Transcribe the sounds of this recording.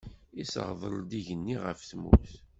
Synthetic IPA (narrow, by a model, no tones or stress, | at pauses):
isə̰ʁðˤəɾˤd̪iʝənːiʁəfθmṵθ